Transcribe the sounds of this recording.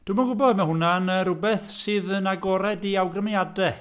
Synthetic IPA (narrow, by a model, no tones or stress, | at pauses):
d̥uːmaɡʊbɔdmahʊnanəɾʊbɛθsɨːðənaɡɔɾɛdiawɡrəmjadɛ